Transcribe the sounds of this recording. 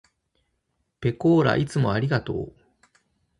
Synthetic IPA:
pe̞koːɾa̰ʔit͡sɨmo̞aɾʲiɡat̪o̞ː

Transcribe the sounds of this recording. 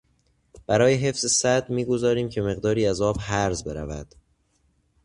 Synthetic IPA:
b̥æɾɒːjeɦe̞fz̥esæd̪miːɡo̞zɒːɾiːmcʰe̞me̞ɣd̪ɒːɾiːæzɒːbhæɾzbe̞ɾæ̰væd̪̥

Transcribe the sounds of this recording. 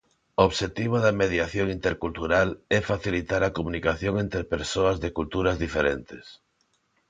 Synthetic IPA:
oβʃet̪iβ̞oðɐmeðjaθjoŋint̪eɾkult̪uɾalɛfaθilit̪aɾɐkomũnikaθjoŋẽnt̪ɾepeɾsoɐzðekult̪uɾɐzðifeɾent̪ɪs

